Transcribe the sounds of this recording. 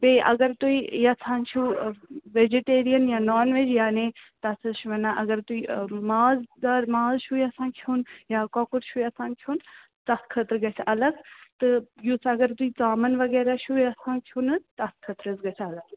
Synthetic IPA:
beːʔɐ̰ɡɐɾt̪uijɐsʰãːnt͡ʃʰuʋed͡ʒeʈeːɾijɐnjanɔːnʋed͡ʒjaːnet̪ɐsɐʃʰuʋɐnaʔɐɡɐɾt̪uimaːzd̪aːɾmaːzʃujɐsãːkʰiunjaːkɔːkuɾʃujɐsãːnkʰjuːn | t̪ɐskʰət̪ɾɡɐt͡ʃʰɐlɐɡt̪ɨjusɐɡɐɾt̪uit͡saːmɐnʋɐɡɛːɾaʃujɐsãːkʰunɨt̪ɐskʰət̪ɾəzɡɐt͡ʃʰɐlɐɡ

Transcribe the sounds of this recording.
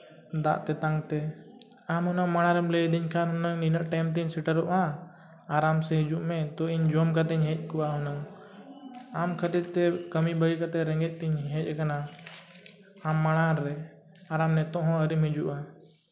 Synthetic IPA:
d̪a̰ʔt̪ɛt̪ãŋt̪ɛ | amɦunaŋmaɽ̃aɾɛmlɛid̪iɲkʰanɦunɔŋninəʔʈɛmt̪iɲsiʈəɾuʔaː | ɾamsɛɦid͡ʒuʔmɛt̪ɔʔiɲd͡ʒɔmkat̪ɛɲɦɛ̃c̚ˀkuwaɦunɔŋ | amkʰət̪it̪̚t̪ɛkəmibəjkat̪ɛɾɛŋɡɛc̪̚ˀt̪iɲɦɛ̃cˀkana | amːaɽaɾːɛ | aɾamnɛt̪ɔʔɦɔ̃əɾimɦid͡ʒuʔa

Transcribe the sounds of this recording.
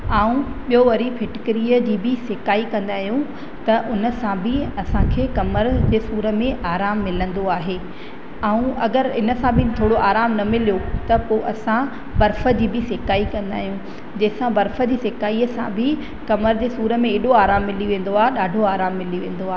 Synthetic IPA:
aːũɓijoʋɐɾipʰɪʈɪkɪɾiːəd͡ʑiːbɪsɪkaːikɐ̃nd̪aːɦijũ | t̪ɐʔʊnə̆sãbʱɪɐsãkʰeːkɐməɾd͡ʑeːsuːɾə̆mẽʔaːɾaːmːɪlə̃nd̪oaːɦeː | aːũʔɐɡəɾɪnə̆sãbʱɪt̪ʰoːɽoʔaːɾaːmnɐmɪlijot̪ɐpoʔɐsã | bɐɾfə̆d͡ʑiːbɪsɪkaːikɐ̃nd̪a̰ːɦijũ | d͡ʑɐɦɪsãbɐɾfə̆d͡ʑiːsɪkaːiəsã̰bʱɪ | kɐməɾd͡ʑeːsuːɾə̆mẽːɗoaːɾaːmːɪliʋẽːn̆d̪oaːɦeɗaːɖʱoaːɾaːmːɪliʋẽːn̆d̪oaːɦ

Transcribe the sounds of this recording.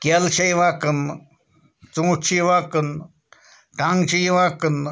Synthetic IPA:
kʲelt͡ʃʰɐjiʋaːkɨn | t͡sũːt͡ʃʰiʋakɨn | ʈaŋɡt͡ʃijiʋaːkɨn

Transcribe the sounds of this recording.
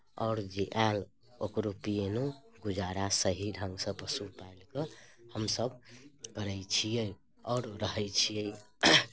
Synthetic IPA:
ɔ̰ːɾd͡ʒeʔãl | okɾopijenu | ɡud͡ʒaɾasəɦiɾɦə̃ŋɡsə̃pəsupailkəhəmsəbkəɾəjt͡ʃʰijəj | ɔːɾɾəɦɛjt͡ʃʰijə

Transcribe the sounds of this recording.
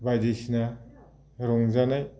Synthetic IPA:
bajdesina | ɾɔŋzanaj

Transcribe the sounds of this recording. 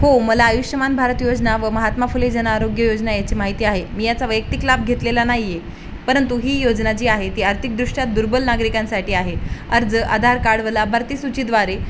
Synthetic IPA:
homəlaːjuɕjəmanbʱaɾət̪jod͡znaʋəməɦat̪mafuled͡ʑənaːɾoɡjəjod͡ʑnajat͡ɕiːmaɦit̪iːaɦemiːjat͡saʋəjək̚t̪iklab̚ɡʱet̪lelanaɦije | pəɾənt̪uɦiːjod͡znat͡ɕiːaɦet̪iːaɾt̪ʰik̚d̪ɾuʂʈjat̪̚d̪uɾbəlnaɡɾikãnsaʈiːaɦeəɾd͡zəʔa̰d̪ʱaɾkaɽʋəlabʱaɾt̪iːsut͡ɕiːd̪ʋaɾe

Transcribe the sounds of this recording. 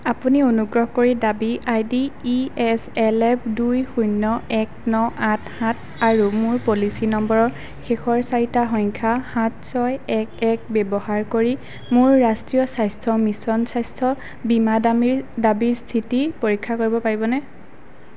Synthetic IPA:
apunionuɡɹɔɦɔkoɹidabiʔajdiːɛsɛlɛp̚ʰdujxujnːɔɛk̚nɔʔathãt̚ʰ | aɹumʊɹpolisinɔmbɔɹɔɹ | xexʰɔɹsaɹitaɦɔɲkʰahãt̚sɔjɛk̚ɛk̚bɛbɔhaɹkoɹi | mʊɹːastɹijɔsajstʰɔmisɔnsajstʰɔ | bimadamiɹdabiɹstʰitipoɹikʰːakoɹibɔpaɹibɔnɛ

